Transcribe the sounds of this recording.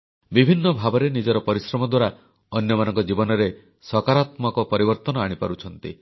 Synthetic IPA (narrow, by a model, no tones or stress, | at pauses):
bibʱinːɔbʱabɔɾenid͡ʒɔɾɔpɔɾisɾɔmɔd̪waɾa | ɔnjɔmanɔŋkɔd͡ʒibɔnɔɾe | sɔkaɾat̪mɔkɔpɔɾibɔɾt̪ɔnɔaɽ̃ipaɾut͡ʃʰɔnt̪ḭ